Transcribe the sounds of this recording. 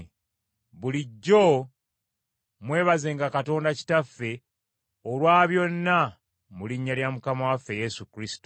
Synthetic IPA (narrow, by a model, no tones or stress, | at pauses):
βuliɟːo̞ | mwe̞ːβaze̞ːŋɡakato̞ːndaci̥tafːe̞ | olwaːβjo̞nːa | muliɲːaljamukamawafːe̞je̞sukɾisi̥to